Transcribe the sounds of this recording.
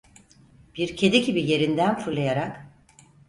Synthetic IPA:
b̥iɾcʰe̞d̪eɟibije̞ɾind̪ænfuɾlˠajaɾak

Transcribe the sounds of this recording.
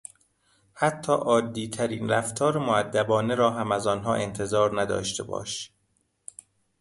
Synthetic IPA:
hæt̪ʰːɒːʔɒːd̪ːiːt̪ʰæɾiːnɾæft̪ʰɒːɾemoæd̪ːæbɒːneɾɒːɦæmæzɒːnɦɒːʔe̞nt̪ʰe̞zɒːɾnæd̪ɒ̰ːʃt̪ʰe̞̰bɒ̰ːʃ

